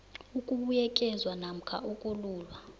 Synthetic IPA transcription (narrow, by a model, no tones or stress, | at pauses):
ukʼuɓujɛkʼɛzwanam̩kʰa̰ʔukʼuluːlwa